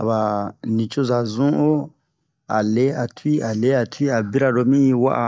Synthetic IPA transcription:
a̰˨ba˨nĩ˨t͡ʃo˦za˨zũ˦o˦ | a̰˨le˦a˨tʰi˦a˨le˦a˨tʰwi˦a˨bi˦ɾa˨ɾo˦mĩ˦i˧wa̰˦ʔa˨

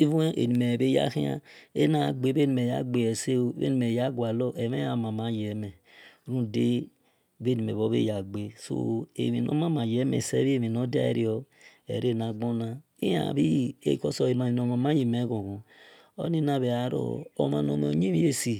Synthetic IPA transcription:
i˦vu˦e˦ʔḛ˨ni˨me˨be˦ja̰˦xi˦a̰˦e˦na˨ɡ͡be˨˦be˦ni˨e˨ja˦ɡ͡be˨ɛ˨se˦o˦bḛ˦i˨me˨ja˦ɡwa˨lo˦ʔe˨me˦a˨ma˨ma˨˦jɛ˨˦mɛ˨˦ | ɾũ˦˨de˦ | be˦ni˨me˨βo˦βḛ˦ja˨ɡ͡be˨so̰˦e˨mi˨no̰˦ma˦ma˨jɛ˦mḛ˨se˦βi˦e˦˨mi˨no˦da̰˦ḛ˦ɾi˦ɔ˦ | ɛ̰˨ɾe˦˨na˨ɡ͡bo˦na˦ | ḭ˦a̰˨bi˦ḛ˦˨ko˦so˨e˨ma˨i˨no˨ma˨ma˦ji˨mɛ˨˦ɣo˨ɣo˨ | o̰˦ni˦na˦˨βe˨a˨ɾo̰˦˨o˨ma˨no˨me˨o˨ɲi˦mi˦e˦si˨

